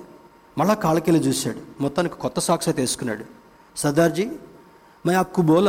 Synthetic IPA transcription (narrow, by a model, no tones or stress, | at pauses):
mɐɭːaːkaːɭɐkelit͡ʃuːsa̰ːɽumɔt̪ːaːnikːi̥kɔt̪ːɐsaːkʂɐt̪eːsu̥kunːa̰ːɽu | sɐd̪aːɾd͡ʒi | mɐakːuboːl